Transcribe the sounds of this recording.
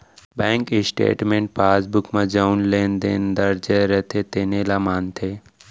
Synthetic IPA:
bɛ̃ːŋkisʈḛːʈmẽːɳʈ̚paːsbʊkmãd͡ʒanleːnd̪eːnd̪əɾd͡ʒeɾɛt̪ʰeːt̪eːnelaːmaːnt̪ʰeː

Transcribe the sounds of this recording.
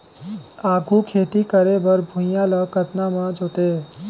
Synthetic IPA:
aːɡʱukʰeːt̪ikəɾebəɾbʱʊ̃jjãləkət̪namãd͡ʒoːt̪e

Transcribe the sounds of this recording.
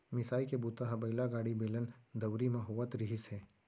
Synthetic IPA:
mɪsaːikebut̪aɦɐbɐɪlaɡaːɽibeːlənd̪ɐʋɾimãɦuʋət̪ɾɪɦɪsɦɛː

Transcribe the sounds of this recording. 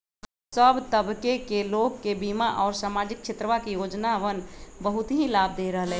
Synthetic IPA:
səbt̪əbkekelokːebimaʔɔːɾsaːmad͡ʒikːʃʰet̪ɾəʋakijod͡ʒnaʋənbəɦut̪ɦĩlaːb̚d̪eɾəɦəlɛ

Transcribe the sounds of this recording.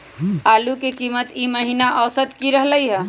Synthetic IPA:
aːlukekimət̪iməɦinaʔəsət̪kiɾəɦləjɦə

